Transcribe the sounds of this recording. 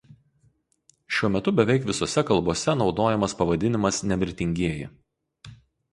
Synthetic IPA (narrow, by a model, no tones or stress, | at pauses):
ʃʲuɔmʲɛt̪ʊbʲɛʋʲɛɪkʋʲɪsoːsʲɛkɐlˠboːsʲɛnɒʊd̪oːjɛmɐspɐʋɐd̪ʲɪnʲɪmɐsnʲɛmʲɪɾʲt̪ʲɪŋʲɡʲiɛjɪ̰